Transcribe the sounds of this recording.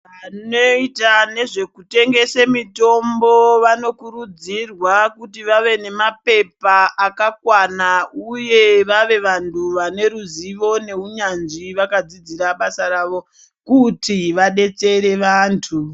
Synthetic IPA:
ano̞itane̞ʐe̞kute̞ŋɡe̞semito̞mbo̞ʋano̞kuɾud͡zirwakutiʋaʋe̞ne̞mape̞paːkakwanauje̞ʋaʋe̞ʋantʰuʋane̞ɾuziʋo̞ne̞uɲanʐiʋakad͡zid͡ziɾaɓasaɾaːʋo̞ | kutiʋaɗe̞t͡se̞ɾe̞ʋaːntʰu

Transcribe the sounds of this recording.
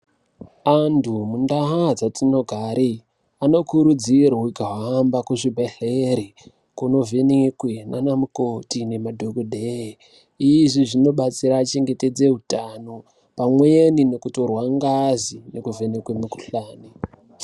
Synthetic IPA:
andumundaɦad͡zatino̞ɡʱaɾi | ano̞kuɾud͡ziraɦuɡʱaɦambakuʐibʱeɬeɾi | kuno̞venekwenanamukotine̞madʱoɡodʱee | iʐiʐino̞ɓat͡siɾaːt͡ʃe̞ŋɡe̞te̞d͡ze̞ɦutano̞ | pamweenine̞kuto̞rwaŋɡazinekuvʱenekwemuku̥ɬaːni

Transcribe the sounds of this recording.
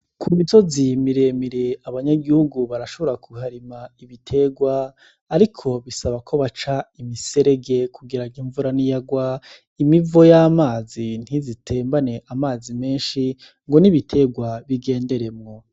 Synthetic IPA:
kʰumizo̞zimiɾe̞miɾe̞aβaɲaɡihuɡuβaɾaʃo̞βoɾakʰuhaɾimaiβitʰe̞ɡwaː | ɾikʰo̞βisaβakʰo̞βat͡ʃaimise̞ɾe̞ɡe̞kʰuɡiɾaɡiɱvuɾanijaɡwa | imivo̞jamaːzin̥hizitʰe̞ːmbane̞ʔamaːzime̞ːnʃi | ŋɡo̞niβitʰe̞ɡwaβiɡe̞ːnde̞ɾe̞mŋo̞

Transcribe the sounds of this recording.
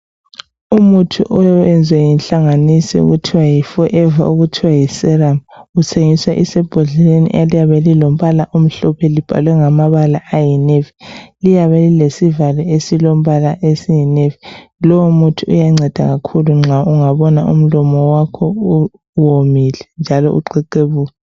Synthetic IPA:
umutʰuʔɔɛnd͡zʱwɛjinɬaŋanisḭṵɣutʰiwajifɔʔɛva̰ʔuɣutʰiwajisɛramɣut͡sʰeŋiswaʔisɛb̥ʱuɮilenḭʔalijaβɛlilom̩βalaʔom̩ɬɔpʰɛlib̥ʱa̰lwɛŋamaβalaʔajinevilijaβɛlilesivalɛesilom̩βalaʔesijinevilɔwomutʰuṵjaŋ͡ǀʱɛd̥ʱa̰ɣakʰuluŋ͡ǁʱaʔuŋaβɔnaʔṵm̩lɔmɔwakʰɔu | womilɛnd͡ʒʱalɔ̰ʔṵǃɛǃeβuːkɛ

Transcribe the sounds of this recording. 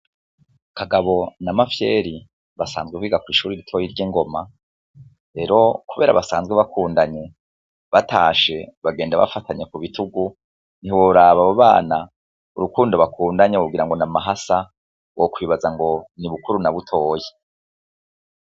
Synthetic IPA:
kaɡaβo̞namafjeːɾi | βasa̰ːnzɡwekwiːɡakwiːʃuːɾiɾitʰo̞jiɾɟiŋɡo̞ma | ɾe̞ɾo̞kuβe̞ːɾa̰βasaːnzɡweβakʰuːndaɲe̞ | βatʰaːʃe̞βaɡe̞ːndaβa̰fatʰaɲekuβituɡu | niwoɾaβaβoβaːna | uɾukuːndoβakʰuːndaɲekuɡiɾaŋɡo̞namaɦasa | wʔokwiːβazaŋɡo̞niβukuɾunaβutʰo̞ːje

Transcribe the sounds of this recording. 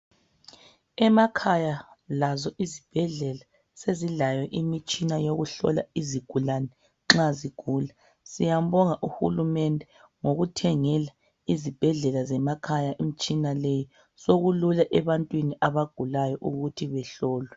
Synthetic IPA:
ɛmakʰajalazɔʔizib̥ʱɛɮɛla | seziɮajɔʔimit͡ʃʼinajoɣuɬɔ̰la̰iziɡ̥ʱulanɛ | ŋ͡ǁaziɡ̥ʱuːla | sijam̩bɔŋaʔuxṵlumɛndʱɛ | ŋoɣutʰɛŋɛla | izib̥ʱɛɮɛlazɛmakʰajaʔimit͡ʃʼinaleji | soɣululaʔɛβantʼwiniʔaβaɡ̥ʱulajɔʔuɣutʰiβɛɬɔːlwɛ

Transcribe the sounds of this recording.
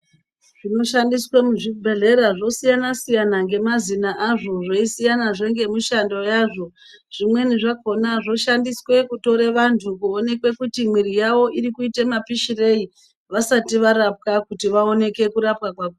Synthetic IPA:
ʐ̥ino̞ʃandiswemuʐibʱe̞ɮe̞ɾaʐo̞sijanasijanaŋɡe̞mazinaʔaʐo̞ʐoisijanaʐe̞ŋɡe̞muʃando̞jaʐo̞ | ʐ̥imwe̞niʐako̞naʐo̞ʃandiswe̞kuto̞ɾeʋantʰukuone̞kwe̞kutimwiɾijaʋo̞ʔiɾikuitemapiʃire̞i | ʋasatiʋaɾap̚kakutiʋao̞ne̞ke̞kuɾapkakwaku

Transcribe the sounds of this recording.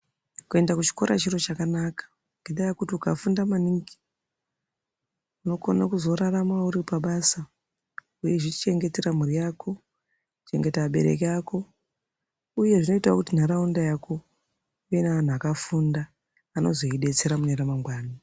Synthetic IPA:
kue̞ndakut͡ʃi̥ko̞ɾa̰t͡ʃiro̞t͡ʃakanakḁ | ŋɡeɗajakutiukafundamaniŋɡi̥ | uno̞konakuzo̞ɾaramauɾipaɓasa | uje̞ʐit͡ʃe̞ŋɡe̞teɾam̤urijaːko̞ | ku̥t͡ʃe̞ŋɡe̞taɓeɾe̞̰kiako̞ | uje̞ʐino̞itaokutin̤aɾaundajakʰo̞ | ijenaan̤uakafundaː | no̞̰zo̞iɗe̞t͡se̞ɾamuneɾamaŋɡwaːna

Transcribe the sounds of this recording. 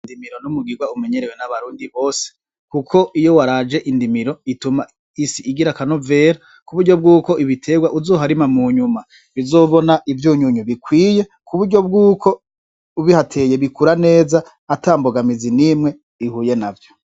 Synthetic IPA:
indimiɾo̞numuɡiɡwaume̞ɲe̞ɾewenaβaɾuːndiβo̞ːse̥ | kukʰo̞ʔijo̞waɾaːd͡ʒe̞ʔindimiɾo̞ituma | isiʔiɡiɾakanove̞ːɾa | kuβuɾɟo̞b̚ɡuːko̞ʔiβitʰe̞ɡwaʔuzoːɦaɾimamuɲuma | βizo̞ːβonaʔivjuːɲuɲuβikwiːje̞kuβuɾɟo̞b̚ɡuːkʰo̞ | uβihatʰe̞je̞βikuɾane̞ːzaː | taːmboɡamizinimŋe̞ | ihuːje̞navjo

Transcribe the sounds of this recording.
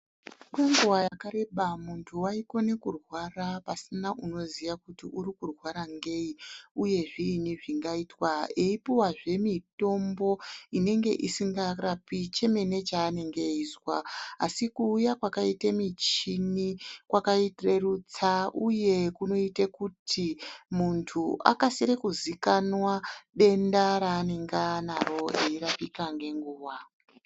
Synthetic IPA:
kwe̞ŋɡuwajakaɾe̞ɓamuntʰuwaiko̞ne̞kurwarapasinaʔuno̞ziʋakutiʔuɾikurwaɾaŋɡe̞iuje̞ʐiːniʐiŋɡaitwaeipiwaʐe̞mito̞mbo̞ine̞ŋɡe̞̰ʔisiŋɡarapit͡ʃe̞me̞ne̞t͡ʃaːne̞ŋɡeizwaasikuːjakwakaitemit͡ʃinikwakaitre̞rut͡saʔuje̞kuno̞itekutʰimuntʰuʔa̰kaseɾekuzikanwaɓe̞ndaɾaːneŋɡanaro̞eiɾapikaŋɡe̞ŋɡuːwa

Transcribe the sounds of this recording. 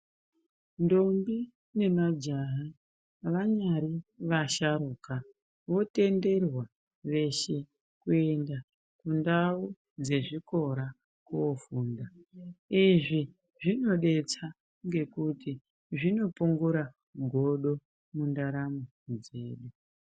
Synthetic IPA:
ndo̞mbi | ne̞mad͡ʒaɦa | ʋaɲaɾiʋaʃaɾuːka | ʋo̞te̞nde̞rwa | ʋe̞ʃe̞ | kue̞nda | kundau | d͡ze̞ʐiko̞ɾa | kuofuːndaiʐi | ʐino̞ɗe̞t͡sa | ŋɡe̞kuti | ʐino̞puŋɡuɾa | ɡʱo̞ɗo̞ | mundaɾamo | d͡ze̞̰ːɗu

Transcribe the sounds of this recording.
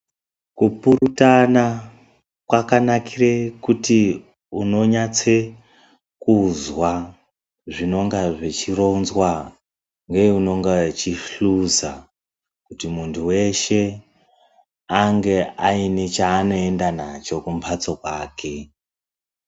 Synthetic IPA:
kupuɾutana | kwakanakirekuti | uno̞ɲat͡se | kuzwa | ʐino̞ŋɡaʐe̞t͡ʃiro̞nzwa | ŋɡe̞uno̞ŋɡat͡ʃiɬuza | kutimuntʰuwe̞ʃe̞ | aŋɡeainet͡ʃaːno̞e̞ndanat͡ʃo̞kumpʰat͡sokwaːkʰe̞

